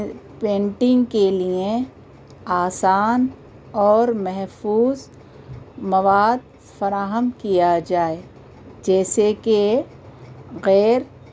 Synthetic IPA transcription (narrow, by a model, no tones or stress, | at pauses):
pẽːɳʈɪ̃ŋɡkelie | aːsaːn | ɔːɾmɛɦfuːz | mɐʋaːd̪̚ | fɐɾaːɦəmkijad͡ʒaːe | d͡ʒɛːseke | ɣɛːɾ